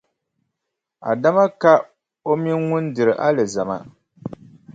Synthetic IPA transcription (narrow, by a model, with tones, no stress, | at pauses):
a̰˨da˦ma˦ka˦ | o˦mi˦nŋʊ˦n˦dɨ˨ɾɨ˨ʔa˦lɨ˨za˨ma̰˦